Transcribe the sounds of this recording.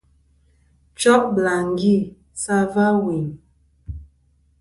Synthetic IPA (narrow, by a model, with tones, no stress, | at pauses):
t͡ʃɔ˦ʔbla˨ŋɡi˦˨ | sa˦va˦wi˨ŋ